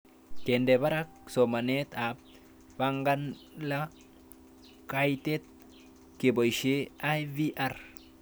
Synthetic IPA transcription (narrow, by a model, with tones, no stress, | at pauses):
ke˨nde˨ba˦ɾa˦k̚so˨ma˨net̪a˨p̚ | ba˦ŋɡa˦nla˦ | ka˦jt̪e˦t̪̚ | ke˨bo˨jʃe˦a˦jvi˦ʔa˨r